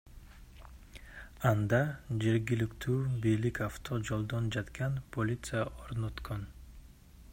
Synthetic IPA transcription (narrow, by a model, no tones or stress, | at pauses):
and̪ad͡ʒeɾɡʲɪlɪkʲt̪ʰuːbijlɪkʰʲaft̪ʰod͡ʒolˠd̪ɒnd͡ʒat̪kʲʰanpʰolʲit̪sɨjaʔoɾnot̪kʰon